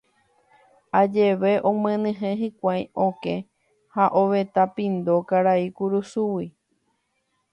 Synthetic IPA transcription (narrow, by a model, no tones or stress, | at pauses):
ad͡ʒe̞ʋeʔõmẽnɨ̃ɦẽɦĩkʷaj̃õkẽ | haʔoʋe̞t̪apĩnd̪okaɾaikuɾusuwi